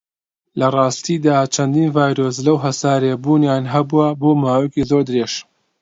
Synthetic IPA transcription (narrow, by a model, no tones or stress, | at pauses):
lɐrˤɑːst̪iːd̪aːt͡ʃʰɐnd̪iːnvaːjɾoːs̬lɐwɦɐsaːɾebuːnjaːnɦɐbuaboːmaːwekizoɾd̪ɨɾeʃ